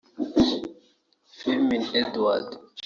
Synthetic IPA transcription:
fɛminɛd̪wad

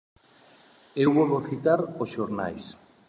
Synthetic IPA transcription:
ewβɔβoθit̪aɾosʃoɾna̰js

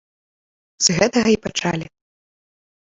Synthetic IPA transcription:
z̥ɣɛt̪ɐɣɐipat͡ʂalʲi

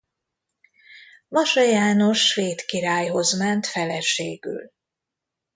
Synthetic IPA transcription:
vɒʃɒjaːno̞ʃːʋeːt̪kiɾaːjɦo̞zmɛnt̪fɛlɛʃeːɡy̰l

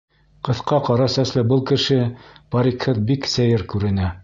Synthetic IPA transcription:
qɤ̆θqɑqɑɾɑsæslɘbɤlˠkɘ̆ʃɘpɑɾʲikhɤðbiksæjɘɾkʉɾɘ̆næ

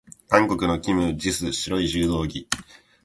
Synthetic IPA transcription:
kãŋko̞kɯ̟no̞kʲimɯ̟d͡ʑisɨɕiɾo̞iʑɨːd̪o̞ːɡʲi

